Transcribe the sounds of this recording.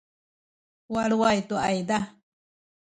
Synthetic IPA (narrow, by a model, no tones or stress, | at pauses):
waɺuajt̪ua̰id̪a